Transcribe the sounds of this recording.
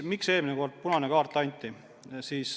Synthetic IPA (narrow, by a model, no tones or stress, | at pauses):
mikse̞ːlmineko̞rd̪̥̚punɑnekɑːrt̪ːˑɑjnʲt̪ʲːˑi | siːs